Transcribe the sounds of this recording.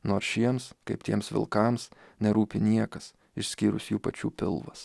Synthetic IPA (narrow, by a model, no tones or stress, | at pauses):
noːɾsʃʲiɛmskɐɪpt̪ʲiɛmsʋʲɪ̰lˠkɐmsnʲɛɾuːpʲɪnʲiɛkɐs | ɪʃʲsʲkʲiːɾʊ̰sjuːpɐt͡ʃʲuːpʲɪ̰lˠʋɐs